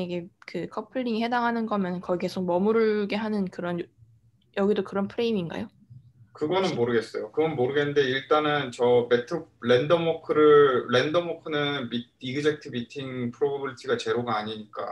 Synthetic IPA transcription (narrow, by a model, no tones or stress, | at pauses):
iɡekɯkʰʌpʰɯɭːiŋihe̞daŋɦanɯnɡʌmjʌnɯnkʌike̞sʰok̚mʌmuɾɯɭɡe̞ɦanɯnkɯɾʌn | jʌɡidokɯɾʌnpʰɯɾe̞iminɡa̰jo | kɯɡʌnɯnmoɾɯɡe̞s͈ʌjokɯɡʌnmoɾɯɡenːɯnde̞iɭt͈anɯnt͡ɕʌme̞tʰɯɾendʌmokʰɯɾɯːendʌmokʰɯnɯnmit̚iɡɯd͡ʑek̚tʰɯbitʰiŋpʰɯɾobʌbɯɭtʰiɡat͡ɕe̞ɾoɡaaɲiɲik͈a̰